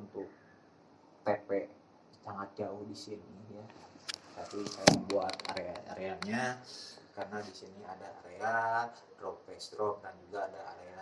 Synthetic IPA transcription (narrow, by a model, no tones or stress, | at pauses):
unt̪ʊk̚ | t̪epɛʔ | saŋat̪̚d͡ʒaʊhdisinijat̪apisajabuat̪a̰ɾeaa̰ɾeanɲakarənadisiniadaa̰ɾea | ɾɔkfɛst̪ɾɔp̚dand͡ʒuɡaːdaaɾea